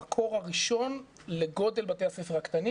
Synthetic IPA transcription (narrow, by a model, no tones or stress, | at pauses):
kʰo̞ʁaʁiʃo̞n | leɡo̞d̪e̞lbat̪ehasefeakt̪ani